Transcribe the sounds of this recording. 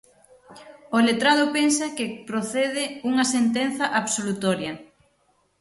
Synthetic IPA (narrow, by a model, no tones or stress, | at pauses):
olet̪ɾaðʊpensɐkɪpɾoθeðɪuŋɐsent̪enθɐʔaβsolut̪ɔɾjɐ